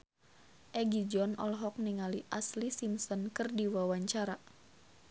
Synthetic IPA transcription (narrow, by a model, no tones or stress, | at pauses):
ʔɛɡid͡ʒɔnɔ̰lɦɔk̚niŋaliʔaslisimsɔnkɨrdiwawaɲt͡ʃaɾa